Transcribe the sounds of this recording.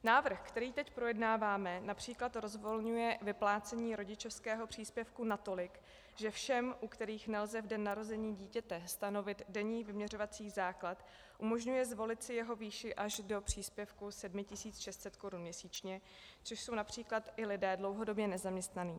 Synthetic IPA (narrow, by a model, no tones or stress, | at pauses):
naːvr̩xkt̪ɛɾiːt̪ɛcpɾo̞jɛdnaːvaːmɛnapr̝̥iːklat̪ɾo̞zvo̞lɲujɛvɪplaːt͡sɛɲiːɾo̞ɟɪt͡ʃofskɛːɦo̞pr̝̥iːspjɛfkunat̪o̞lɪk | ʒɛfʃɛmʔukt̪ɛɾiːxnɛlzɛvdɛnːaɾo̞zɛɲiːɟiːcɛt̪ɛst̪ano̞vɪt̪dɛɲiːvɪmɲɛr̝o̞vat͡siːɣzaːklat̪ | ʔumo̞ʒɲujɛzvo̞lɪt̪sɪjɛɦo̞viːʃɪʔaʒdo̞pr̝̥iːspjɛfkusɛdmɪcɪsiːt͡sʃɛst̪sɛt̪ko̞ɾunmɲɛsiːt͡ʃɲɛ | t͡soʃso̞wnapr̝̥iːklat̪ɪlɪdɛːdlo̞wɦo̞do̞bjɛnɛzamɲɛst̪naniː